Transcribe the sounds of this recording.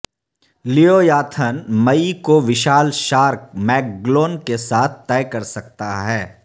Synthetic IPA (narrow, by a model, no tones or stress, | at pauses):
lijoːjaːt̪ʰənmɐikoʋɪʃaːlʃaːɾk̚mɛːk̚ɡloːnkesaːt̪̚ʰt̪ɛːkɐɾsɐk̚t̪aɦɛː